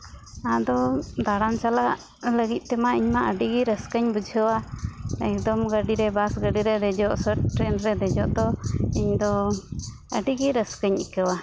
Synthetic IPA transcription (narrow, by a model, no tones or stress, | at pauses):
ad̪ɔd̪aɽant͡ʃalaʔ | ləɡit̪̚ˀt̪ɛmaʔiɲmaʔəɖiɡiɾəskəɲbud͡ʒʱəwaɛk̚d̪ɔmɡəɖiɾɛbasɡəɖiɾɛd̪ɛd͡ʒɔʔsəʈ̚ʈɾɛnɾɛd̪ɛd͡ʒɔʔd̪ɔiɲd̪ɔ | əɖiɡiɾəskəɲḭkəwa